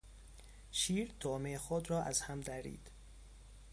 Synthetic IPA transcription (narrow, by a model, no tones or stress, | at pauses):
ʃiːɾt̪ʰoːmexod̪ɾɒːʔæz̥hæmd̪æɾḭːd̪̥